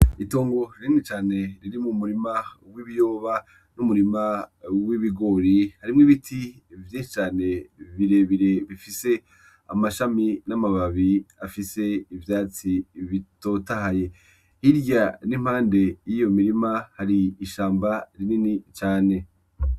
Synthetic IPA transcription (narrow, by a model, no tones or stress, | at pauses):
ito̞ːŋɡo̞ɾɾiŋit͡ʃaːne̞ɾiɾimumuɾimawiβijo̞ːβa | numuɾimawiβiɡo̞ɾihaɾimŋiβitʰi | vjeʃit͡ʃaːne̞βiɾe̞βiɾe̞βifise̞ | a̰maʃaminamaβaβiafise̞ivjaːt͡siβito̞tahaje̞ | hiɾjanim̥haːnde̞jijo̞miɾimahaɾiːʃaːmbaɾininit͡ʃaːne̞